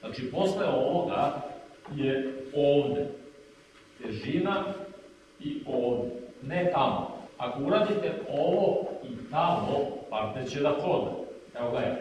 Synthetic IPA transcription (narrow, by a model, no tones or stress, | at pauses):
nat͡ʃipo̞sleo̞ʋo̞ɡa | jeoːʋd̪e | t̪eʒina | ioːʋd̪enet̪amo̰ako̞uɾaːd̪it̪eoʋo̞it̪amopaɾt̪et͡ɕed̪akɾod̪a | eoɡae